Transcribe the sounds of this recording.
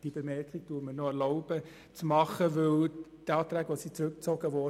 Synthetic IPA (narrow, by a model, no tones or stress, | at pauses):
d̥iəbemɛɾkχiɡ̚tuːməɾnoɛɾlɔʊb̥ə | t͡smɑχəʋɪltɑːt̪ɾæːɡʋosit͡sɾʉk̚t͡soɡ̥əʋɔ